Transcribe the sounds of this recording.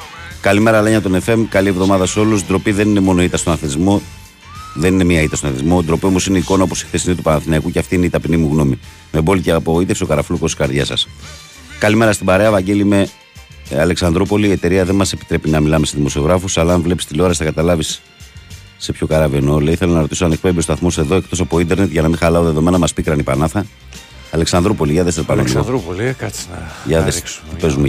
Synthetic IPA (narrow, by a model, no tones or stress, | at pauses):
kɐlime̞ɾɐlɐeɲɐt̪o̞ne̞fe̞mkɐlie̞vðomɐðɐso̞lusd̪ɾo̞piðe̞nine̞mo̞no̞it̪ɐst̪o̞nɐθeizmo̞ | ðe̞nine̞miɐit̪ɐst̪onɐθizmo̞d̪ɾo̞piomo̞sineiko̞nɐopo̞si̥xθesinet̪upɐnɐθinɐikuceɐft̪iineit̪ɐpinimuɣno̞mi | mebo̞liceɐpoit̪efsokɐɾɐflukosti̥skɐɾðʝɐsɐ̰s | kɐlime̞ɾɐst̪ibɐɾe̞ɐevɐɟe̞lime̞ | ɐle̞ksɐnd̪ɾopo̞liːe̞t̪e̞ɾiɐðe̞mɐsepi̥t̪ɾe̞pinɐmilɐme̞seðimo̞sio̞ɣɾɐfusɐlɐːɱvle̞pist̪ilo̞ɾɐsθɐkɐt̪ɐlɐvisː | e̞pço̞kɐɾɐvenoleiθe̞lɐnɐɾo̞t̪isoɐnek̚pembiostoɐθmose̞ðo̞e̞kt̪o̞sɐpoind̪e̞ɾne̞t̪ʝɐnɐmixɐlɐoðe̞ðo̞me̞nɐmɐspikɾɐnipɐnɐθɐ | ɐleksɐnd̪ɾupo̞liʝɐðest̪eɾpɐnomi | ʝɐðesipe̞zume